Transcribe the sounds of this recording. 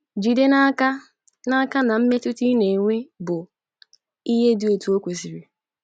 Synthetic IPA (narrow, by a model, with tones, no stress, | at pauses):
d͡ʒi˨de˦na˦ka˦ | na˦ka˦na˨m̩˦me˦tʊ˦ti˦ne˨ŋʷe˦bʊ˨ | i˦ɦe˦dɪ˦o˨tu˨˦o˦kʷe˨si˨ɾi˨